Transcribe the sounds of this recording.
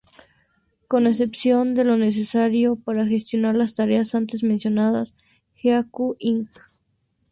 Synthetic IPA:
ko̞ne̞se̞psjo̞nd̪e̞lo̞ne̞s̬e̞saɾjo̞paɾaxe̞st̪jo̞naɾlast̪aɾeasant̪e̞zmensjo̞naðas | xjakuʔiŋk

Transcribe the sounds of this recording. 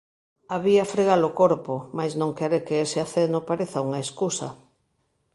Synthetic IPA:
aβiafɾeɣalokoɾpʊmajznõŋkeɾekɪesɪaθenʊpaɾeθauŋaeskusɐ̰

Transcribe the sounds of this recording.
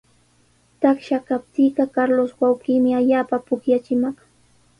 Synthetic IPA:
t̪akʃakap̚t̪iɢɑkaɾloswawqiːmɪaʎaːpapʊkjat͡ʃɪmɑχ

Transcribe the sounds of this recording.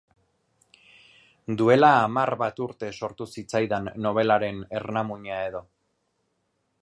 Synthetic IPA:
d̪ue̞laːmarβat̪uɾt̪e̞so̞ɾt̪usit͡sajðanːo̞β̞e̞laɾe̞ne̞rnamuɲae̞ðo̞

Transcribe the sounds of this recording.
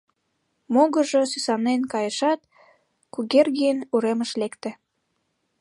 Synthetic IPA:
moɣəʒosysɑnenkɑjəʃɑt̪ | kuɣerɣijənuɾeməʃlekt̪ĕ

